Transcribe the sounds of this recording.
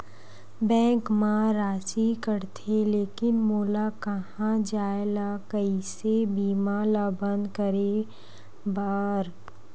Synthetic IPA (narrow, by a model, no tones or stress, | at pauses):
bɛ̃ːŋkmãɾaːt͡ʃikəɾt̪ʰeleːkɪnmoːlakɐhãd͡ʒaːelakəisebiːmalabə̃nd̪kəɾe | baɾ